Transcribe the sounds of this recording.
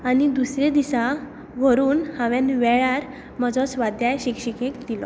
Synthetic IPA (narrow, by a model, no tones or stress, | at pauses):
anid̪usɾed̪isa | ʋ̤əɾuːnhãʋanʋɛɭaɾ | məd͡zɔsʋad̪jajɕikɕəkekd̪ilɔ